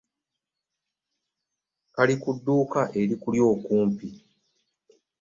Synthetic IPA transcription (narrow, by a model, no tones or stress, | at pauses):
kalikudːuːkaʔe̞ɾikuljo̞ːkuːmpi